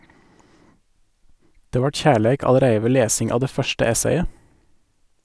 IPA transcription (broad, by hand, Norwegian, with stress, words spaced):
ˈdeː ˈʋɑːʈ ˈçæːɭæɪk ɑləˈɾæɪə ˈʋeː ˈleːsɪŋ ˈɑːʋ ˈdeː ˈfœʃʈə ˈɛseɪə